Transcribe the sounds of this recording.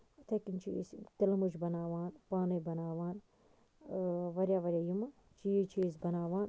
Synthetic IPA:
t̪ʰɐkint͡ʃʰḭst̪ilɐmuʃbɐnaːʋaːnpaːnɐbɐnaːʋaːn | ʋɐɾʲjaːʋɐɾʲjaːjumɐ | t͡ʃijit͡ʃʰizbɐnaːʋaːn

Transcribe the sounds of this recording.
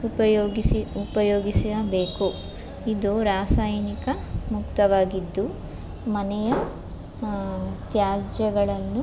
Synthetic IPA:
upɐjoːiiupɐjoːɡisiɐbe̞ːku | id̪uɾaːsaːjɐnikɐ | mukt̪ɐʋaːɡid̪ːu | mɐnɛjɐ | t̪jaːd͡ʒɐɡɐɭɐnːu

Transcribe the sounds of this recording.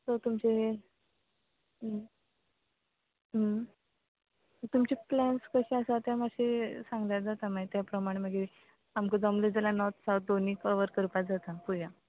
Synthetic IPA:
t̪əɾt̪umt͡ɕe | ɦə | ə | t̪umt͡ɕiplɛnskəɕiasat̪jamaɕisãŋɡljad͡zat̪amait̪japɾəmaɽ̃məɡi | amkəd͡zəmled͡zalanɔt̪saw̪̚d̪oniːkəʋəɾkəɾpad͡zat̪apuja

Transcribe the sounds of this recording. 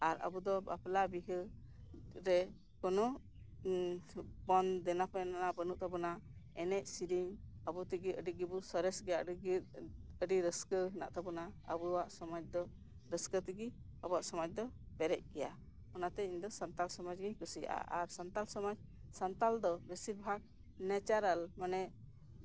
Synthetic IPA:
aɾə̰bud̪ɔba̰plabiɦə | ɾɛ | kɔnɔ | bɔnd̪ɛnapɔnanabənuʔ̚t̪ʰabɔnaɛnɛc̚siɾiɲəbut̪iɡiəɖiɡibusɔɾɛsɡɛaʔɡ | əɖiɾəskəɦna̰ʔt̪ʰabunaə̰buwaʔsɔmad͡ʒd̪ɔ | ɾəskət̪iɡiəbɔwaʔsɔmad͡ʒd̪ɔ | pɛɾɛc̚kɛja | ɔnat̪ɛiɲd̪ɔsant̪alsɔmad͡ʒɡiɲkusia̰ʔa̰ʔaɾsant̪alsɔmad͡ʒ | sant̪ald̪ɔbesiɾbʱaɡ̚ | nɛt͡ʃaɾalmanɛ

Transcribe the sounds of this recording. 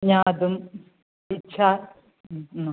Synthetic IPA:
ɲaːd̪um | itːʃʰa

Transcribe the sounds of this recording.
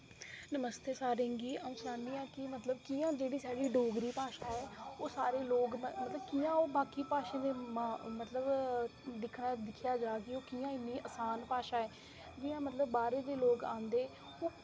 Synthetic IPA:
nəməst̪eːsaːɾẽːŋɡiːaːũːsɾãːɳiːɛːkɪmət̪ləb̚kiːãːd͡ʒeːɽiːsaːɖiːɖoːɡɾiːpaːʃaːɛːoːsaːɾeːloːɡmət̪ləbkiːãːoːbaːkiːpaːʃẽːd̪eːmamət̪ləbd̪ɪkʰɽaːd̪ɪkʰjaːd͡ʒaːkioːkiːãːɪnːiːʔəsaːnpaːʃaːɛː | d͡ʒɪːãːmət̪ləbːaːɾeːd̪eːloːɡã̰ːnd̪eː | oː

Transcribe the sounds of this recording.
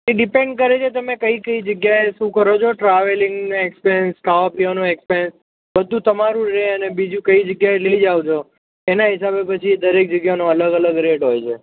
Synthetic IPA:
eɖɪpẽɳɖkəɾet͡ʃʰet̪əmekəikəid͡ʒəɡjaeʃũkəɾot͡ʃʰoʈɾaʋeliŋɡnekspeɾənskaʋapijanoekspiɾeəns | bəd̪ʱːũt̪əmaɾũɾeənebid͡ʒũkəid͡ʒəɡjaeləid͡ʒaʋt͡ʃʰo | enaɦɪsabepət͡ʃʰid̪əɾek̚d͡ʒəɡjanõələɡələɡɾeʈɦojt͡ʃʰe

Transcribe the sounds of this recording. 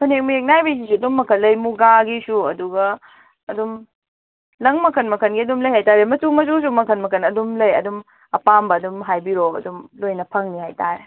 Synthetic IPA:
kʰunek̚mɐek̚najbɐjs̬isuɐdumːɐkʰɐlːɐjmuɡaɡisuɐ̰duɡɐː | dum | lɐŋmɐkʰɐnmɐkʰɐnɡiɐdumlɐjhajtaɾemɐtumɐs̬us̬umɐkʰɐnmɐkʰɐnɐdumlɐjɐ̰dum | ɐpambɐːdumɦajbiɾoɐ̰dumlojnɐpʰɐŋnihajtaɾe

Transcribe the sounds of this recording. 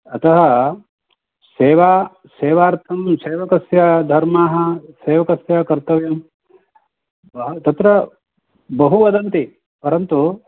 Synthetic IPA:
ɐt̪ɐɦɐ | seːʋaː | seːʋaːɾt̪ʰɐmseːʋɐkɐsjad̪ʱɐɾmaːɦɐseːʋɐkɐsjaːkɐɾt̪ɐʋjɐm | bɐɦt̪ɐt̪ɾɐ | bɐɦuʋɐd̪ɐnt̪i | pɐɾɐnt̪u

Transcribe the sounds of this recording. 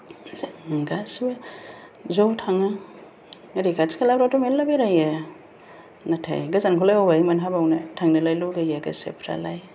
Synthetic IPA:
ɡasbe | zowtʰaŋa | ɾikaskʰalabɾawtomellːabeɾaja | natʰa̰jɡazankʰulajawajmanɦabawnatʰaŋnɐlajloɡajaɡa̰sḛpʰɾa̰laj

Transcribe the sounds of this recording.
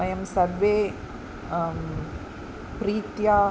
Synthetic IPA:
ɐjɐmsɐɾʋe | pɾiːt̪jaː

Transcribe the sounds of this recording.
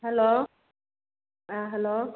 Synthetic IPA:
hɛlo | aɦɛlo

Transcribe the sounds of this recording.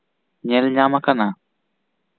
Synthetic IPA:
ɲɛlɲamakana

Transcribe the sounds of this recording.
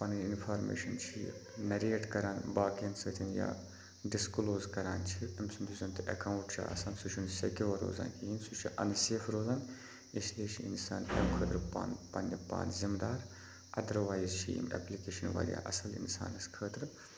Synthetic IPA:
pɐnɐinfʰaːɾmḛːʃɐnt͡ʃʰi | nɐɾeːʈkɐɾaːnbaːkensəːt̪ʲʰɐnja̰ː | ɖiskloːzkɐɾaːnt͡ʃʰiɐmsɐmuzɐnt̪ʔɐ̰kaːwɳʈt͡ʃʰa̰ɐ̰sɐːnsut͡ʃʰunsekʲiʋɐɾo̰ːza̰ːnkiinsut͡ʃʰiʔɐ̰nseːfɾoːzaːn | isliet͡ʃʰiinsaːnemkʰəːt̪ɾɨpa̰npɐnːɐpa̰ːnzimd̪aːɾ | ʔɐd̪ɐɾʋaːjzt͡ʃʰiḭmḛplikeːʃɐnʋa̰ːlʲja̰ːʔɐsɐlḭnsa̰ːnɐskʰəːt̪ɾɨ

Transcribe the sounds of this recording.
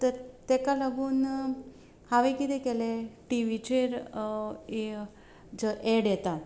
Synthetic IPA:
t̪əɾt̪ɛkaləɡuːn | haʋekid̪ɛkɛleʈiʋit͡ɕeɾ | e | d͡zəʔeɽjɛt̪a

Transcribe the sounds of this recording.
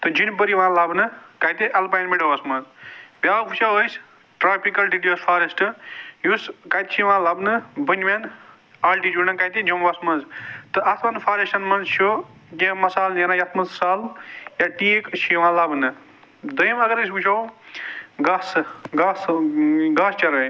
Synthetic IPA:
t̪ɨd͡ʒinpəɾiʋãːlaːbnɨkajt̪ẽʔɐlpajnmeʈoɐsmɐ̃nzbjaːwpʰut͡ʃʰaɦojs | ʈɾaːpʰikɐlɖiɖijospʰaːɾesʈɨjuskajt̪t͡ʃʰiʋãːlaːbnɨbənʲman | aːlʈid͡ʒuːnɐnkajt̪ẽd͡ʒombasmɐnzt̪ɨʔɐt̪ʰmɐnpʰaːɾesʈɐnmɐnzt͡ʃʰokẽmɐsaːljenaːjɐt̪ʰmɐnzsaːljaʈiːekʃʰiʋãːlaːbnɨ | d̪ɐjmɐɡɐɾɨs̬ʲbut͡ʃʰɐw | ɡaːsɡaːsɡaːst͡ʃɐɾɐj

